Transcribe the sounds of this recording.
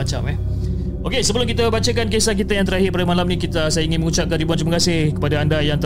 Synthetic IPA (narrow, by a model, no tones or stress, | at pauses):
at͡ʃa̰pɛ | okesəbəlʊmŋkit̪abat͡ʃakankesak̬it̪ajaŋt̪əɾaɦɪrpadamalamnĩkit̪asajaiŋɪnməŋut͡ʃap̚kantɾibuant̪ɾimakasɪhkə̥padaandajaŋt̪